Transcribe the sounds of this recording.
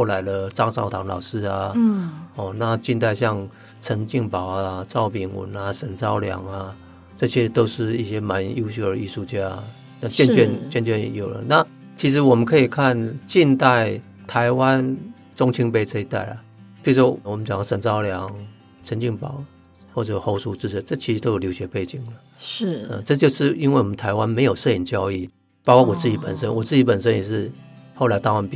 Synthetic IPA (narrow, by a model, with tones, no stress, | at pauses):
xo˥˩ʊla˧˥ɪd̪ə˨t͡sɑ˥ŋsɑ̰˥˩ʊt̪ʰɑ˧˥ŋlɑ̰˨˩ʊʂɻ̩˥˧a˨ | ɔ˥˧˩na˥˧t͡ɕi˥˧nt̪a˥˧ɪɕjɑ˥˧ŋ | t͡sʰə˧˦˥nt͡ɕi˥˧˩ŋpɑ˨˩ʊa˧t͡sɑ˥˩ʊpi˨˩ŋwə̰˨˩˦na˨ʂə˨˩nt͡sɑ˥ʊljɑ̰˨˧˥ŋa˧ | t͡sɤ˥˧ɕjɛ˥t̪o˥ʊʂɻ̩˥˩i˥˩ɕjɛ˥ma˧˦nju˥˧ɕ̬u˥˩də˨˦i˥˧ʂu˥˧t͡ɕja˥˩˨ | na˥˧t͡ɕjɛ˥˧nt͡ɕɥɛ˥˧nt͡ɕɛ˥˧nt͡ɕɥɛ˥˩njo˨˩ʊlə̰˦na˥˨ | t͡ɕʰi˧˥ʂ̬ɻ̩˧˥wɔ˨˩mə˦nkʰɤ˧˥i˨˩kʰa˥˨nt͡ɕi˥˧nt̪a˥˩ɪ | t̪ʰa˧˦ɪwa˦n | t͡sʊ˥ŋt͡ɕʰi˥ŋpe˥ɪt͡sʰe˥i˧t̪a̰˥˩ɪla˩ | t͡ɕi˥˩swɔ˦˥˨wɔ˨˩mə˦nt͡ɕja˨ŋ˥˩sə˨˩ŋt͡sɑ˥ʊljɑ˧˦ŋ | t͡sʰə˧˦nt͡ɕi˥˩ŋpɑ˨˩˦ʊ | xwɔ˥˩t͡sɤ˨˩xo˧˥ʊsu˥t͡sɹ̩˥˩ə˥˦t͡sɤ˥˩t͡ɕʰi˧˥ʂ̩˧˥t̪o˥jo˨˩jo˧˥ɕɥɛ˧˦pe˥˩ɪt͡ɕi˨˩ŋlə˩˥˩ə̰˨t͡sɤ˥˧t͡ɕjo˥˧ʊʂɻ̩˥˩i˥nwe˥˩ɪwɔ˨˩mə˦nt̪ʰa˧ɪwa˦nme˧˥ɪjo˨˩ʊʂɤ˥˧i˨˩ŋt͡ɕjɑ˥ʊi˥˩ | pɑ˥kwɑ˥˩wɔ˨˩t͡sɹ̩˥˩t͡ɕi˨˥pə̰˨˩nʂə˦nwɔ˨˩t͡sɹ̩˥˩t͡ɕi˧˥pə˨˩nʂə˦njɛ˨˩ʂɻ̩˥˧˨ho˥˩ʊla˧˥ɪt̪a˥˧ŋwa˧˥np